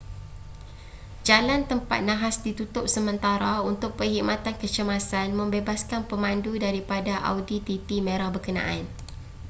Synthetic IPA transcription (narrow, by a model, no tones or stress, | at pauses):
d͡ʒalant̪əmpa̰t̪̚nãɦasdit̪ut̪ʊp̚səmə̃nt̪aɾaunt̪ʊk̚pəɦimat̪ankət͡ʃəmasanmə̃mbebaskanpəmãndudaɾipadaʔa̰wdit̪it̪imə̃ɾahbəkənã̰ʔan